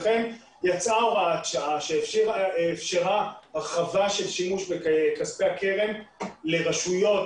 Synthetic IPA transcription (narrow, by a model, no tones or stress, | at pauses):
χem | jat͡saʁaːt̪t͡ʃaʔaʃeefʃiʁaːfʃeʁaaχavaʃe̞lʃimuʃbekaspehake̞ʁe̞mle̞ʁaʃujo̞t